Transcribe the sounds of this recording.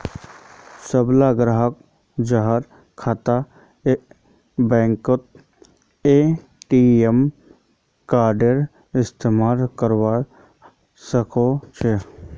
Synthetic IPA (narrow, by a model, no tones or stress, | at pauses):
səblaɡɾaɦək | d͡ʒaɦaɾ | kʰaːt̪a | e | bɛ̃ːŋkot̪̚ | e | ʈiem | kaːɾɖeɾ | ɪst̪emaːlkəɾwa | səkot͡ʃʰe